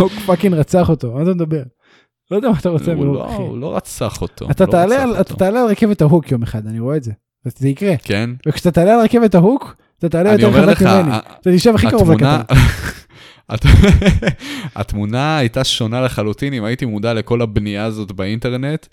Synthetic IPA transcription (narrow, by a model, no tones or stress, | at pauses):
hukfakinʁat͡saχot̪o̞at̪amed̪abe̞ʁ | lod̪ɛamat̪aʁo̞t͡semiooilo̰ʁa̰t͡saχot̪ʰo̰at̪at̪aːlealat̪at̪aːlealʁakevet̪aɦukjo̞meχad̪aniʁo̞eːtze | zeikʁekenvekʃeat̪at̪aːlealʁakevetaɦuk | at̪at̪aːlejoeʁealakmimeniat̪at̪iʃevaχikaʁovlekatan | a | a̰t̪munaːjt̪aʃo̞naleχalut̪inimaitimud̪ale̞ko̞labniaːzo̞t̪bainte̞ʁne̞t̪